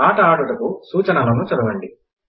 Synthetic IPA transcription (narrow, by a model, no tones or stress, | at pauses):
aːʈɐaːɽuɽɐkusuːt͡ʃɐnɐlɐnut͡ʃɐɾɐʋɐɳɖi